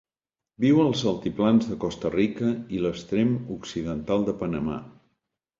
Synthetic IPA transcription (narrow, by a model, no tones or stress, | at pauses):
biwəlˠzəlˠt̪iplanzðəkɔst̪ərikəiləst̪ɾemuksiðənt̪alˠd̪əpənəma̰